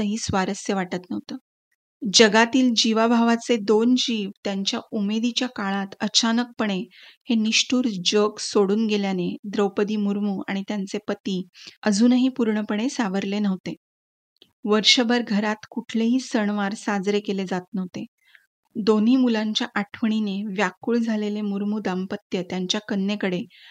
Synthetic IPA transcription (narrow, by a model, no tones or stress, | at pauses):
əɦiːsʋaɾəsjeʋaʈət̪nəʋt̪əː | d͡ʑəɡat̪iːld͡ʑiʋabʱaʋat͡sed̪ond͡ʑiːʋt̪jaɲt͡ɕjaumed̪it͡ɕjakaɭat̪ət͡ɕanək̚pəɳ̃eheniʂʈuːɾd͡ʑəɡsoɽuːnɡeljaned̪ɾəwpəd̪iːmuɾmuːa̰ɽ̃it̪jant͡sepət̪iːəd͡zʱuːnəɦiːpuɾɳəpəɽ̃esaʋəɾlenəʋt̪e | ʋəɾɕəbʱəɾɡʱəɾat̪kuʈʰleɦiːsəɳʋaɾsad͡zɾekeled͡zat̪̚nəʋt̪e | d̪oniːmulaɲt͡ɕjaʔaʈʰʋəɳ̃ineʋjakuːɭd͡zʱalelemuɾmuːd̪ampət̪jət̪jaɲt͡ɕjakənːjekəɽe